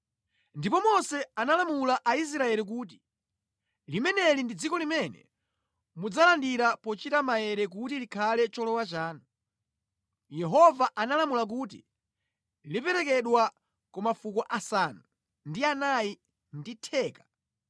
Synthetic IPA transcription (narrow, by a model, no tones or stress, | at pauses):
ndipɔmɔsɛanalamulaʔais̬ɾaɛlik̬uːt̬i̥ | limɛnɛlindid͡zikɔlimɛnɛ̰ | mud͡zalandiɾapɔt͡ʃitamajɛɾɛk̬utilikʰalɛt͡ʃɔlɔwat͡ʃaːnɔ | jɛɦɔvaʔanalamulak̬uːt̬ḭ | lipɛɾɛkɛɗwa | kɔmafukɔʔasanu | ndianaji | nditʰɛːkḁ